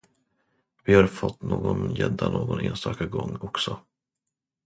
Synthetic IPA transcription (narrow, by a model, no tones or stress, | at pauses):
vɪhaɾfɔt̪ːnoːɡɔnjɛd̪ːanoːɡɔneːnst̪ɑːkaɡɔŋːɔksɔ